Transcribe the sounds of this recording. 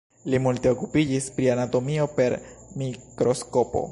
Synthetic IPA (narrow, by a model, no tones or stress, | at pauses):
limulteokupid͡ʒispɾianato̞mio̞pe̞ɾmikɾo̞sko̞po̞̰